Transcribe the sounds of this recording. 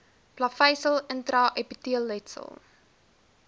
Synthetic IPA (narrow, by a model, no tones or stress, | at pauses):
plɐfɛjsəlˠəntɾɐʔɛpitiəlˠːɛtsə̰lˠ